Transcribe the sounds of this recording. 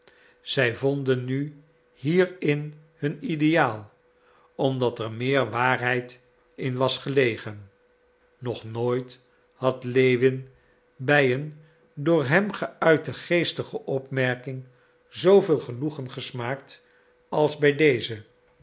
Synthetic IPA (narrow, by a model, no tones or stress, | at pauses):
z̥ɛjvɔndənːy | hiːrɪn | hɵnidejaːlˠ | ɔmdɑtəɹmɪːɹʋaːɹɦɛjt | ɪnʋɑsχəlejχənː | ɔχnoːjt | hɑtlejʋɪn | bɛjən | dʊːɹɦɛmχəœɥtəχejstəχəʔɔpmɛɹkɪŋ | zowvɪːlˠχənuχənχəsmaːkt | ɑlˠzbɛjdejzə